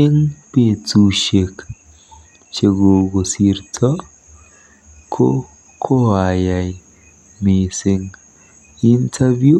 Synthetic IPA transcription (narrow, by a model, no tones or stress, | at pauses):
eŋpet͡suʃek | t͡ʃeɡoɡosiɾtʰɔ | kʰo | kʰoajaj | mesiŋ | intʰavju